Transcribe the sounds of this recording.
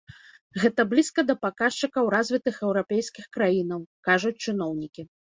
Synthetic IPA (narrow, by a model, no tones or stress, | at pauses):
ɣɛt̪ɐblʲiskɐd̪ɐpakaʂt͡ʂɨkɐwɾazʲvʲit̪ɨxɛwɾapʲɛjsʲkʲixkɾajinɐwkaʐut͡sʲt͡ʂɨnɔwnʲikʲi